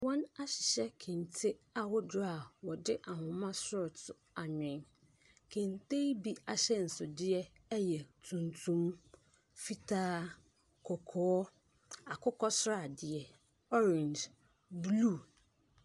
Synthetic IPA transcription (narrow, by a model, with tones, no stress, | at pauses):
wɔ̃˦na˦ɕɪ̥˨ɕɛ˦kʰẽ˨n˨tʰe˦a˨wɔ˦dʊ˦ɾa˨wɔ˨dɪ˦ʔa˨hʊ̃˨mã˦sʊ˦ɾtʊ˨ | a˨ɲᶣɪ̃˨ŋ | kʰẽ˨ntʰe˦bi˦a˨ɕɛ˦n̩˨sʊ˨dɪ˦ɛ˦ | jɛ˨tʰũ˨ntʰũ˦m | fi˦tʰaː˦ | kʰɔ˨kʰɔː˨˦ | a˨kʰʊ˦kʰɔ˦sɾa˦˨dɪ˨ɛ˨ | ɔ˦ɾɪ̃˨nd | bluː˦˨